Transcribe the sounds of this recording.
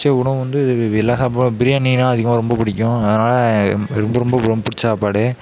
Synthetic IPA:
t͡ʃːɐʊɳɐʋɯ̃ʋɐnd̪ɯɪðɯɛlːaːsaːpːabɪɾɪjaːniːnãːɐðɪɣɐmaːɾɔmbɐpɐɽɪkʲːʊ̃ɐðɐnaːlɐɾɔmbɐɾɔmbɐɾɐmpʊɽɪt͡ʃːsaːpaːɽɯ

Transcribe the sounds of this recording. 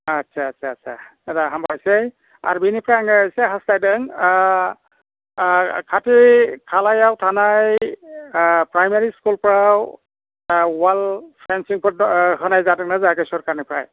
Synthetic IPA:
atsʰaːtsʰaːtsʰa̰ɛtaɦambasɛj | a̰ɹbinipʰɹaŋaajsɛɦastajdəŋ | kʰatikʰalajawtʰanaj | pɹajmaɹiskulpɹaw | walpʰɹɛnsiŋpʰɔhɔnajzadɯŋnazakɛsɔɾkanipʰɹaj

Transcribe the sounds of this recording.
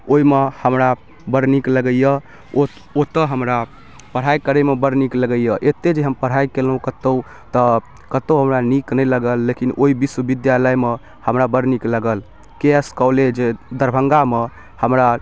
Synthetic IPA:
oimehəmɾa | bəɾnikləɡəjə | o | ot̪əɦəmɾa | pəɽ̤ɦajkəɾemebəɾnikləɡəjəʔet̪ed͡ʒeɦəmpəɽ̤ajkelɦũkət̪ə | t̪ə | kət̪əɦəmɾaniknəjləɡəlːekinʔoɦibiswəbid̪jaləjme | həmɾabəɾnikləɡəl | keskəled͡ʒed̪əɾbʱəŋɡame | həmɾa

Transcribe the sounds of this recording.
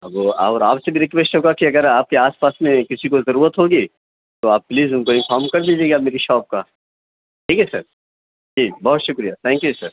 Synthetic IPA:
ɐboa̰ɔːɾaːpsebʱiɾɪkʋesʈɦoːɡakiɐɡəɾaːp̚keaːspaːsmẽkɪsikozɐɾuːɾət̪ɦoɡiː | t̪oaːp̚pliːzɦʊmkoɪ̃nfɔːɾmkɐɾd̪iːd͡ʒeːɡiameːɾiʃɔːp̚ka̰ | ʈʰiːkɦɛsɐ̰ɾ | d͡ʒiːbɔːt̪ʃʊkɾijat̪ʰɛ̃ːŋkjusɐɾ

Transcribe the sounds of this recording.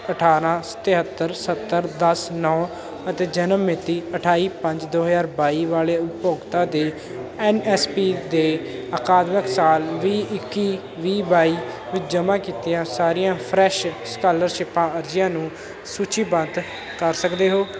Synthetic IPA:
əʈʰaːɾãːst̪eɦət̪ːəɾsət̪ːəɾd̪əsnɔː | ət̪eːd͡ʒənəmːẽːt̪ːiːəʈʰaːiːpəɲd͡ʒd̪oːɦəzaːɾbaːiːʋaːleːʊpoːɡt̪ãːd̪eː | ɛːnɛːspiːd̪eːəkaːd̪məksaːlʋiːɪkːiː | ʋiːbaːiːʋɪt͡ʃd͡ʒəmãːkiːt̪ijãːsaːɾijãːpʰɾɛːʃskaːləɾʃɪpãːəɾd͡ʒɪjãːnũː | suːt͡ʃʰiːbə̃nd̪ | kəɾsəkd̪eːɦoː

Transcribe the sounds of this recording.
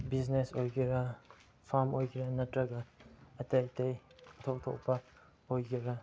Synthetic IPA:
biznesojɡiɾɐ | pʰaɾmojɡiɾɐnɐtɾɐɡɐːtɐjtɐjɐtʰowk̚tʰo̰k̚pɐ | ojɡiɾɐ

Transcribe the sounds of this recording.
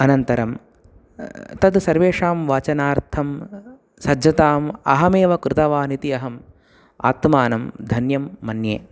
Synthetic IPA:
ɐnɐnt̪ɐɾɐm | t̪ɐd̪sɐɾʋeːʂaːmʋaːt͡ʃɐnaːɾt̪ʰɐm | sɐd͡ʒɐt̪aːmɐ̰ɦɐmeːʋɐkɾɪt̪ɐʋaːnit̪iɐɦɐm | a̰ːt̪maːnɐmd̪ʱɐnjɐmːɐnjḛː

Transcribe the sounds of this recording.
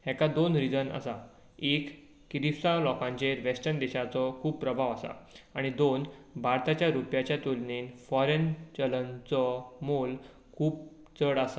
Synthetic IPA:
hɛkad̪onɾid͡zəna̰sa | ekː | iɾifsãlɔkãɲt͡ɕeɾʋesʈənd̪ɛɕat͡sɔkʰuːp̚pɾəbʱaʋasa̰aɽ̃id̪onbʱaɾt̪at͡ɕjaɾupjat͡ɕjat̪olnenfɔɾənt͡ɕələnt͡sɔmol | kʰuːp | t͡səɽasa

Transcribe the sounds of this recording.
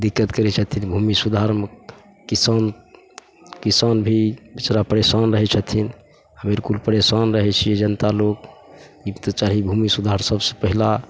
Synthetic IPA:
d̪ikːət̪kəɾɛt͡ʃʰət̪ʰinbʱumisud̪ʱaɾme | kisan | kisanbʱibit͡ʃɾapəɾesanɾəɦɛt͡ʃʰət̪ʰin | həmeɾkulpəɾesanɾəɦɛt͡ʃʰijed͡ʒənt̪alok̚ | it̪ɔt͡ʃaɦibʱumisud̪ʱaɾsəbsẽpəɦila

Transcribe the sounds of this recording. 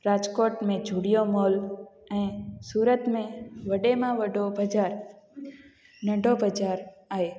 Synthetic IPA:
ɾaːd͡ʒkoːʈmẽd͡ʒʱuɽijomoːlɛ̃ːsuːɾət̪mẽʋəɖemãʋəɖʱobəd͡ʒaːɾ | nəɖʱobəd͡ʒaːɾaːɦeː

